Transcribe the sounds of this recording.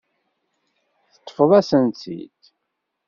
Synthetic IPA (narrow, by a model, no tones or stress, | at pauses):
θə̥t̪ˤːə̥fəðˤæsənt̪ḭt̪